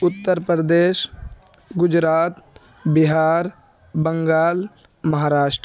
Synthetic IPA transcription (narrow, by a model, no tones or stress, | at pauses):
ʊt̪ːəɾpɾəd̪eːʃ | ɡʊd͡ʒɾaːt̪ | bɪɦaːɾ | bə̃ŋɡaːl | mɐɦaːɾaːʃʈɾ